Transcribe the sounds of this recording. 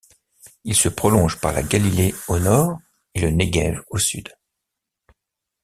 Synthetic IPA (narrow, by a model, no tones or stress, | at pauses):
ilsəpχɔlɔ̃ʒpaʁla̰ɡalileonɔːʁ | eləneɡɛ̰vosy̰d̪